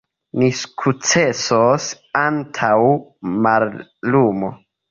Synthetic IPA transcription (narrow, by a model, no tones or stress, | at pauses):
niskʰut͡se̞sos | antʰawmallumo̞̰